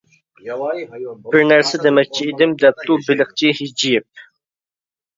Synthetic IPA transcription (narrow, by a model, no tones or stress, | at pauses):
b̥ɪɾnæɾsɛd̪emɛk̚ʲt͡ʃʰiid̪ɪmd̪ɛp̚t̪ʰubɪlɪχt͡ʃʰihid͡ʒijɪp̚